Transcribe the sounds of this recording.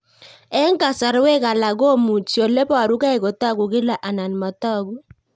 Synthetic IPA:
ɛ˦ŋ˦ɡa˨sa˨ɾwe˦ka˨la˨ɡo˦mu˨t͡ʃjo˨le˦pɔ˦a˨ɾu˦ka˦e˨kɔ˨tɔ˦ɡu˨ɡɪ˦la˨ʔa˨na˨n˨ma˨tɔ˦˨ɡu˦

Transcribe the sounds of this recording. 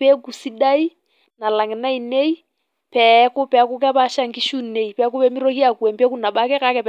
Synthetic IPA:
pɛ˦ku˨si˦ɗa˦i˦ | na˨la˨ŋɛ˨na˦i˨nɛ˦i˦ | pɛku˦pɛ˨˦ku˦k̬ɛ˦βa˦ʃa˦ŋɡi˦ʃu˦nɛ˨i˨pɛku˦pɛ˦mi˦ɾɔ˦hi˦a˨ku˨ɛ˨mbɛ˦ku˦na˨ɓa˦kɛ˦ka˦kɛ˨p

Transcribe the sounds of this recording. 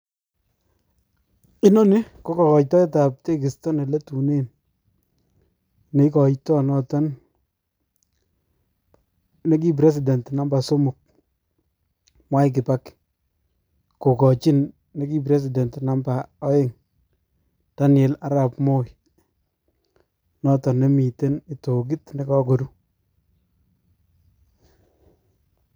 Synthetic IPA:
i˦no˦ni˦ko˦kɔ˨kɔ˨jtɔ˦e˦ta˨p̚te˦kɪ˨stɔ˦ne˨le˦tu˨ne˦n | ne˨˦kɔ˨jtɔ˦nɔ˦tɔ˦n | ne˦k̬i˦p̬ɾɛ˦s̬i˨dɛ˨ntna˨mba˨so˦mʊ˨k̚ | mwa˦jk̬ɪ˨pa˦k | ko˨kɔ˨t͡ʃi˦nː | e˦ki˦b̬ɾe˦s̬i˨dɛ˨ntna˦mba˨ɔ˦ɪ˦ŋ | ta˦nɛ˨la˦ɾa˨pmo˦j | nɔ˦tɔ˨nːe˦mi˨te˦ni˨to˨ɡ̬i˦tne˦kɔ˦ɡo˨ɾu˦

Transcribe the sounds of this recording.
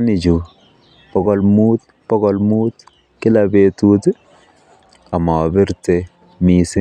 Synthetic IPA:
nɪ˨d͡ʒu˨ | pɔ˨ɡɔ˦lmu˦t̪̚ | pɔ˦ɡɔ˨lmu˦t̪ | kɪ˦labe˨tut | a˨ma˨ɔ˨bɪ˦ɾte˨ | mi˨sɪ˦

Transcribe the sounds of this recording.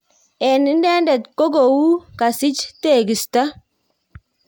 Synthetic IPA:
ɛ˨nɪ˦ndɛ˦ndɛ˨tko˦ɡo˨wu˦ka˨sɪ˦t͡ʃte˨ɡi˨sta˦

